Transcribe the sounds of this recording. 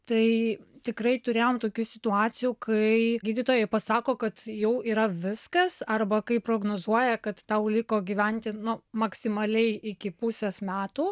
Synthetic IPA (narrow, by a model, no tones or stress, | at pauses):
t̪ɐɪt̪ʲɪkɾɐɪt̪ʊɾʲeːjoːmt̪oːkʲuːsʲɪt̪ʊɑːsʲɪjuːkʰɐɪɡʲiːd̪ʲɪt̪oːjɛɪpɐsɑːkoːkɐt̪jɛʊiːɾɐʋʲɪskɐsɐrbɐkɐɪpɾoːɡnoːzuɔjɛkɐt̪ːɐʊlʲɪkoːɡʲiːʋʲɛnʲt̪ʲɪnʊmɐksʲɪmɐlʲɛɪɪkʲɪpʊsʲɛsmʲæːt̪uː